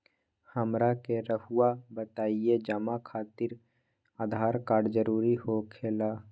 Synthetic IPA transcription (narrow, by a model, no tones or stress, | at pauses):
həmɾakeɾəɦuabət̪aːied͡ʒəmakʰaːt̪ɪɾ | aːd̪ʱaːɾkaːɾɖd͡ʒəɾuːɾihokʰeːlaː